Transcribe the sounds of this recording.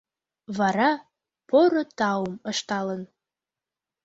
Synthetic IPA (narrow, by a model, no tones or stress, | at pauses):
vɑɾɑ | pʰoɾot̪ɑwuməʃt̪ɑlən